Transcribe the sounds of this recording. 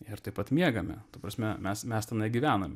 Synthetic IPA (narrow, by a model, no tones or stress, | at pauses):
ɪɾt̪ɐɪpɐt̪mʲiɛɡɐmʲɛ̰t̪ɐpɾɐsʲmʲɛmʲɛsmʲɛst̪ʲɛnɐɪɡʲɪʋʲæːnomʲɛ